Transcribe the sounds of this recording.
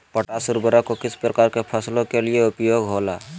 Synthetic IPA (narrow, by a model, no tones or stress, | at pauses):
pəʈaːsʊɾbəɾakokɪspɾəkaːɾkepʰəslõkelieʊpjoːɡɦola